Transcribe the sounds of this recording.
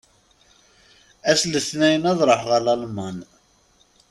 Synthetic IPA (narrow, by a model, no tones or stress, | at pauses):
æsləθnæjənɑðˤɾˤəħʁəlɑlmɑn